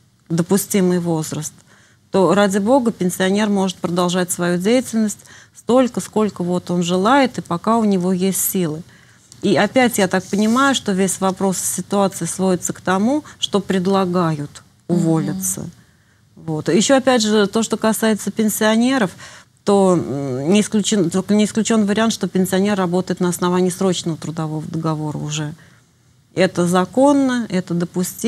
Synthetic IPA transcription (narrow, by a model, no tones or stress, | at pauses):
d̪əpʊsʲtʲimɨjvo̞zɾəst̪ː | o̞ɾadʲɪbo̞ɡəpʲɪnʲsʲɪɐnʲe̞rmo̞ʐɨt̪̚pɾəd̪ɐlˠʐatʲsvɐjudʲejɪtʲɪlʲnəsʲtʲst̪o̞lʲkəsko̞lʲkəvo̞t̪o̞nʐɨlˠajɪt̪ɨpɐkaʊnʲɪvo̞jesʲtʲsʲilˠɨ | iɐpʲætʲjat̪ak̚pənʲɪmajʊʂt̪o̞vʲesʲvɐpɾo̞ssʲɪt̪ʊat̪sɨɪsvo̞ɪt̪səkt̪ɐmuʂt̪o̞pɾʲɪd̪lˠɐɡajʊt̪ | ʊvo̞lʲɪt̪sə̰ | vo̞t̪jɪɕːoɐpʲædʲʐɨt̪o̞ʂt̪o̞kɐsajɪt̪səpʲɪnʲsʲɪɐnʲe̞ɾəf | t̪o̞nʲɪɪsklʲʉt͡ɕɪnt̪oknʲɪsklʲʉt͡ɕo̞nːvəɾʲɪant̪ʂt̪o̞pʲɪnʲsʲɪɐnʲerːɐbo̞t̪əjɪt̪nəɐsnɐvanʲɪːsɾo̞t͡ɕnəvət̪ɾʊd̪ɐvo̞vəd̪əɡɐvo̞ɾə̰ʊʐɛ | ɛt̪əzɐko̞nːəɛt̪əd̪əpʊsʲtʲi